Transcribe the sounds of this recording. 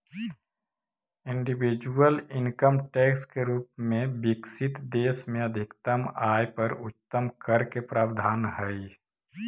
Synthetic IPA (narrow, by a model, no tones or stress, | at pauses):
ɪ̃ɳɖibid͡ʒuəlɪŋkəmʈeːkskeɾuːpmẽbɪksɪt̪d̪eːsmẽəd̪ʱɪkt̪əmaːjpəɾʊt̪ːəmkəɾkepɾaːbd̪ʱaːnɦəi